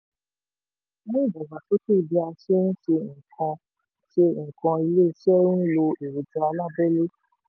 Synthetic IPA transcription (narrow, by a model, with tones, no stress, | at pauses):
mõ˦i˦˨bɔ˨ba˨to˦te˦˨bi˧a˧ʃe˦ñ̩˦ʃe˧ŋ̩˨kʰã˧ | ʃe˧ŋ̩˨kã˧i˧le˦i˧ʃɛ˦ɾũ˦n̩˦lo˧e˨ɾo˨d͡ʒa˧a˧la˦˨bɛ˦le˦